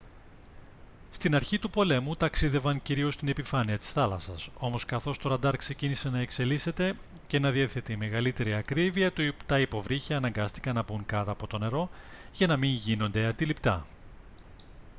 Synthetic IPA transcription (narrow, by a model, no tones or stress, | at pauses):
st̪inɐɾçit̪upo̞le̞mut̪ɐksiðe̞vɐŋciɾio̞st̪ine̞pifɐniɐt̪i̥sθɐlɐsɐso̞mo̞skɐθo̞st̪o̞ɾɐnd̪ɐɾkse̞cinise̞nɐe̞kse̞lise̞t̪e̞ | ce̞nɐðieθe̞t̪eime̞ɣɐlit̪e̞ɾiɐkɾiviɐt̪ut̪ɐipo̞vɾiçeːnɐŋɡɐst̪i̥kɐnɐbuŋkɐt̪ɐːpo̞t̪o̞ne̞ɾo̞ʝɐnɐmiɲʝino̞nd̪e̞ɐnd̪ilipt̪ɐ